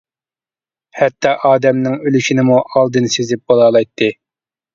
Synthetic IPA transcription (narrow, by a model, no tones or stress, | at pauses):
hɛt̪ːɑʔɑːd̪ɛmnɪŋølyʃinɪmuʔɑlˠd̪ɨnsezɪp̚bolˠɑːlˠɑjt̪ʰːɨ